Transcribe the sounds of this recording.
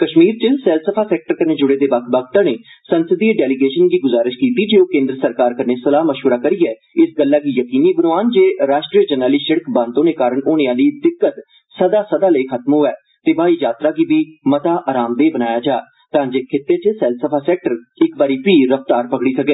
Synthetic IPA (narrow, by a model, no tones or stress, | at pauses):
kəʃmiːɾt͡ʃəsɛːlt̪səpʰaːsɛːk̚ʈəɾkəneːd͡ʒʊɽeːd̪eːbək̚ʰbəkt̪ãneːsənsəd̪iːeɖɛːlɪɡeːʃənɡiːɡʊzaːɾɪʃkiːt̪iːd͡ʒeːoːkẽːnd̪ɾəsəɾkaːɾkəɾneːsəlaːməʃʋəɾaːkəɾiːɛː | ɪsɡəlːaːɡiːjəkiːniːbənoaːnd͡ʒeːɾaːʃʈɾiːəd͡ʒənaːliːʃɪɽəkbãːnt̪õːneːkaːɾəɳoːɽẽãːd̪iːd̪ɪkːət̪ | səd̪aːsəd̪aːləikʰət̪mɦoːɛː | t̪eːbaːiːd͡ʒaːt̪ɾaːɡiːbiːmət̪aːʔaːɾaːmd̪eːbənaːjaːd͡ʒaː | t̪ãːd͡ʒeːkʰɪt̪ːeːt͡ʃəsɛːlsəpʰaːsɛːk̚ʈəɾɪkbaːɾiːpiːɾəft̪aːɾpəɡɽiːsəkeː